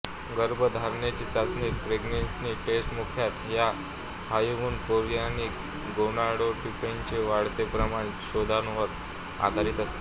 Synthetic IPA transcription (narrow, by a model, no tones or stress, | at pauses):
ɡəɾbʱəd̪ʱaɾɳjat͡ɕiːt͡sat͡snipɾeɡnensniːʈesʈmukʰjat̪ja | hajuʋuːnkoɾjanik | ɡonaɽoʈikeɲt͡ɕeʋaɽt̪epɾəmaɽ̃eɕod̪ʱanʋəɾ | a̰d̪ʱaɾit̪əst̪e̥